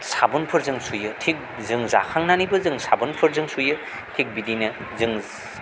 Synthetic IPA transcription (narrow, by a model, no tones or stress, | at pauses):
sabɯnpʰɯɾzɯŋsujɯtʰik̚ | zɯŋza̰kʰaŋnanibɯzɯŋsabɯnpʰɯɾzɯŋsujɯ | tʰik̚bidinɯ | zɯŋ